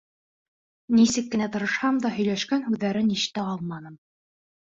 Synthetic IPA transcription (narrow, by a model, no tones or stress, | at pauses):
nisɘkːɘ̆næt̪ɤ̆ɾɤ̆ʃhɑmd̪ɑɦɵ̆jlæʃkænhʉðːæɾɘniʃt̪æɑlˠmɑnɤm